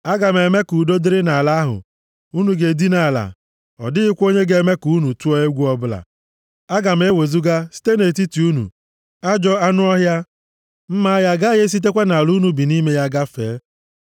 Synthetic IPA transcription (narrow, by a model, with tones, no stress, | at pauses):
a˦ɡa˨m̩˨e˨me˦ku˨do˦dɪ˦ɾɪ˦na˨la˦ɦʊ̰˨ | u˦nu˨ɡe˨di˦na˨la̰˨ | ɔ̰˨dɪ˦ɪ˦kʷo˦ɲe˦ɡe˦me˦ku˨˦nu˨tu˦ɔ˦e˦ɡʷu˦ɔ˦bʊ˦la̰˨ | a˦ɡa˨m̩˨˦e˦we˨zu˦ɡa˦si̥˦te˦ne˨t̬i˦ti˨u˦nṵ˨ | a˦d͡ʒɔ˦a˦nʊ˦ɔ˦ɦja˦ | m̩˦ma˦ja˦ɡa˦je˦s̬i˦t̬e˦kʷe˦na˨lu˦nu˦bi˨ni˦me˦ja˦ɡa˦fḛː˨˦